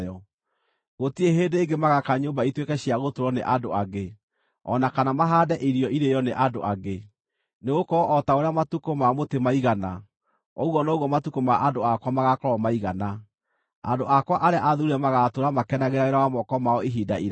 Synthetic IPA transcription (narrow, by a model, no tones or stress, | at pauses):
ɔ | ɣotieɦeːdeːɡemaɣakaɲoːmbaitwekɛɕiaɣotoɾɔnḛʔandoaɣe | ɔ̰nakanamaɦaːdɛʔiɾiɔʔiɾejɔneʔadoʔaɡe | neɣokɔʔɔtaoɾeamatukomamotemaiɣana | ɔɣwɔnɔɣwɔmatukomaʔandoakwamaɣakɔɾɔmaiɣana | a̰ndoʔakwaʔaɾeaʔaðuɾiɾɛmaɣatoɾamakɛnaɣeɾaeɾawamɔkɔmaɔiɦidaiɾ